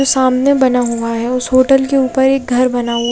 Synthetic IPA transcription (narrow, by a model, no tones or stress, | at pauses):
osaːmnebɐnaɦʊaɦɛʊsɦoːʈəlkeuːpəɾeːk̚ɡʱɐɾbɐnaɦu